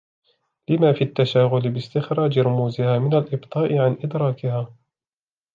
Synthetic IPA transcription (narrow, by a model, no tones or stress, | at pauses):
lɪmaːfiat̪ːaʃaːɣʊlɪbɪst̪ɪxɾˤɑːd͡ʒɪɾˤʊmuːzɪhaːmɪnalʔɪbt̪ˤɑːʔɪʕanʔɪd̪ɾˤɑːkɪhaː